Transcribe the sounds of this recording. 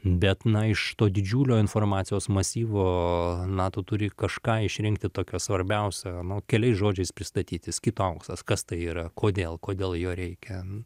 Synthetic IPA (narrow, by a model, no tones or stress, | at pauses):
bʲɛt̪nɐɪʃt̪oːd̪ʲɪd͡ʒʲuːlʲoːɪnfoːrmɑːt̪sʲɪjoːsmɐsʲiːʋoːnɑːt̪oːt̪ʊɾʲɪkɐʃkɑːɪʃʲɾʲɪŋkt̪ʲɪt̪oːkʲoːsʋɐɾʲbʲɛʊsʲɛnʊkʲɛlʲɛɪsʒoːd͡ʒʲɛɪspʲɾʲɪst̪ɐt̪ʲiːt̪ʲɪskʲɪt̪ʊɐʊksˠɐskɐst̪ɐɪiːɾɐkoːd̪ʲeːlˠkoːd̪ʲeːlˠjoːɾʲɛɪkʲɛ